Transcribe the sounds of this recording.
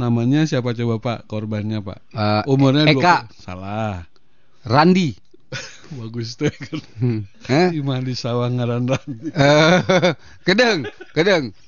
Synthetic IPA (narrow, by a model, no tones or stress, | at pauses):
namaɲasiapat͡ʃobapaʔkɔrbanɲapa̰ʔumurɲaeɡkaʔsa̰lah | randi | baɡust̪əkan | əimadisawaŋaɾandanə | kədəŋkədəŋ